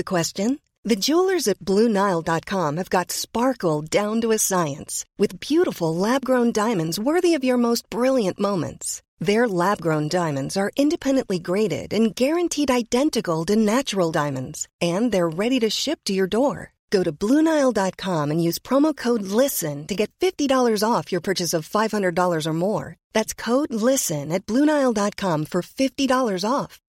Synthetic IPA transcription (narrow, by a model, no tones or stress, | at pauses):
ɨkʰw̥ɛst͡ʃɨ̃n | ðɨd͡ʒulˠə˞zɨt̚b̥lʉnaɪlˠdɑt̚kʰɑ̃mɨvɡɑtspɑɹkl̩ˠdãʊ̃ntəɨsaɪɨ̰̃nswɨðbjʉɾəfl̩ˠlæb̚ɡɹõʊ̃ndãɪ̃mɨ̃ndzwɜ˞ðiʌvjə˞moʊst̚b̥ɹɪlˠjɨ̃nʔmõʊ̃mɨ̰̃nts | ðə˞læb̚ɡɹõʊ̃ndãɪ̃mɨ̃ndzə˞ʔɪ̃ndɨpʰɛ̃ndɨ̃nʔliɡɹeɪɾɪ̰ɾɨ̃nɡɛɹɨ̃ntʰiɾaɪdɛ̃ntɨkl̩ˠdɨnæt͡ʃəɹl̩ˠdãɪ̃mɨ̃ndz̥ɨ̃nðə˞ɹɛɾiɾɨʃɪp̚tʰɨjə˞dɔɹ | ɡ̥oʊɾɨblũnaɪlˠdɑt̚kʰɑ̃mɨ̃njʉz̥pʰɹ̥ɑmoʊkʰoʊdˡlɪsɨ̃ntɨɡɛtfɪftidɔlˠə˞zɔfjə˞pʰɜ˞t͡ʃɨsʌv̥faɪv̥hʌ̃ndɹə˞dɔlˠə˞zə˞mɔɹðætskʰoʊdˡlɪsɨ̃nɨt̚b̥lũnaɪl̩ˠdɑt̚kʰɑ̃ɱfə˞fɪftidɔlˠə˞zɔf